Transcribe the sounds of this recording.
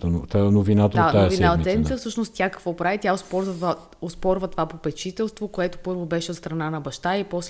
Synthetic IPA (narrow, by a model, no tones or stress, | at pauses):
t̪t̪anovinat̪əd̪at̪ːaojvinaiɛmʲit̪əfsɤʃnost̪t̪ʲjakɐkvɔpɾavit̪ʲjaospɔɾzəa | ospɔɾvət̪ovapopɛt͡ʃit̪ɛlˠst̪vokoɛt̪o̥pɤɾvobɛʃɛot̪st̪ɾɐnanɐbɐʃt̪aipɔs